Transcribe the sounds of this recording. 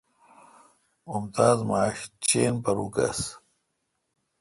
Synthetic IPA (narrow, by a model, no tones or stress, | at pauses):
mumt̪aːzmaːɕt͡ɕeːnpɐɾukɐ̰s